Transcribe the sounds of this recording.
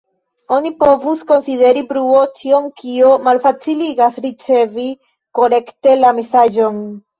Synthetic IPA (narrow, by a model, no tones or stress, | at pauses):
o̞nipo̞vusko̞nside̞ɾibɾuo̞t͡ʃio̞nkiomalfat͡siliɡasɾit͡se̞vi | ko̞ɾe̞kte̞lamesaʒo̞n